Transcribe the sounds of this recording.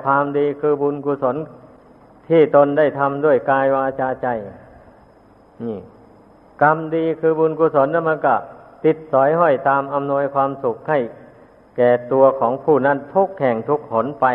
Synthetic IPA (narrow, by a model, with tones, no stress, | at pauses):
pʰaː˧mdiː˧kʰɯː˧bu˧nkuː˧so˨˩˥n | t̪ʰiː˧˥˩t̪o˧nda˥˩jt̪ʰa˧mdu˥˩əjkaː˧jwaː˧t͡ɕaː˧t͡ɕa˧˩j | niː˧˩ | ka˧mdiː˧kʰɯː˧buː˧nku˧so˨˦nda˧˩ma˧˥˨nka˧˩t̪i˧t̪̚sɔː˨˩˦jɦɔ˧˥˩jt̪aː˧mʔa˧mnu˧əjkʰwaː˧msu˨˩k̚ha˥˩j | kɛː˨˩t̪u˧ɐkʰɔː˩˦ŋpʰuː˧˩na˧˥˩nt̪ʰu˧˥˩k̚hʰɛ˨˩ŋt̪ʰu˧˥k̚ho˨˩˦npa˧